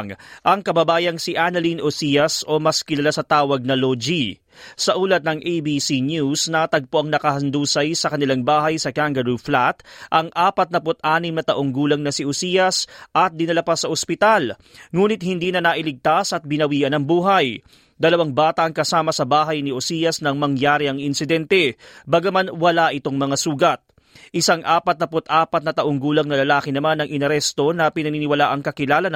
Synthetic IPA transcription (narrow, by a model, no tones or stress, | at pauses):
ŋʔɐŋkɐbɐbaːjɐŋsiʔanɐlinʔosijɐso̞mɐskɪnlɐlasɐt̪aːwɐɡ̚nɐlod͡ʒi | sɐʔuːlɐt̪̚nɐŋʔejbiːsinjusnɐt̪ɐɡ̚poʔɐŋnɐkɐhɐnd̪uːsɐjsɐkɐnɪlaŋbaːɦɐjsɐkaŋɡɐɾuflat̪ʔɐŋʔaːpɐt̪̚nɐpʊt̪ʔaːnɪmnɐt̪ɐʔo̞ŋɡuːlɐŋnɐsiʔosiːjɐsʔɐt̪̚d̪ɪnɐlapasɐʔospɪt̪al | ŋuːnɪt̪̚hɪnd̪iːnɐnaʔɪlɪɡ̚t̪asʔɐt̪̚bɪnɐwiːʔɐnɐŋbuːɦɐj | d̪ɐlɐwaŋbaːt̪ɐɐŋkɐsaːmɐsɐbaːɦɐjnɪʔosijɐsnɐŋmɐŋjaːɾɪɐŋɪnsɪd̪ɛnt̪ɛbaɡɐmanwɐlaʔɪt̪o̞ŋmɐŋasuːɡɐt̪̚ | ʔɪsaŋʔaːpɐt̪nɐpʊt̪ʔaːpɐt̪̚nɐt̪ɐʔoŋɡuːlɐŋnɐlɐlaːkɪnɐmanɐŋʔɪnɐɾɛst̪o̞nɐpɪnɐniːnɪwɐlaʔɐŋkɐkɪlaːlɐn